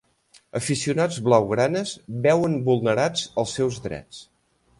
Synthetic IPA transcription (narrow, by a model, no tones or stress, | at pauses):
əfisiunad͡zβlawɣɾanəzbɛwənbulˠnəɾad͡zəlˠsːɛwzðɾɛ̰t͡s